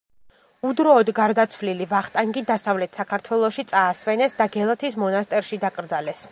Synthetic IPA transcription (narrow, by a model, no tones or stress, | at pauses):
ud̪ɾɔːd̪ɡaɾd̪at̪sʰvlilivaχt̪ʼaŋɡid̪asavlɛt̪ʰsakʰaɾt̪ʰwɛlˠɔʃit̪sʼaːsvɛnɛsd̪aɡɛlˠat̪ʰismɔnast̪ʼɛɾʃid̪akʼɾd̪zalɛs